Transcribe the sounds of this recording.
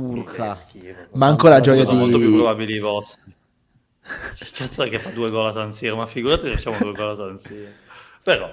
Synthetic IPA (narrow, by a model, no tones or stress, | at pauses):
urkaskːvmaːŋkoɾlad͡ʒɔjaimolt̪opjupɾobaːbilievɔst̪i | st̪ansɔɛkːefːad̪ueɡɔːlasant̪sjɛːɾomafːiɡuɾat̪efat͡ʃːamodd̪ueɡɔlasant̪sjiːɾopeɾɔ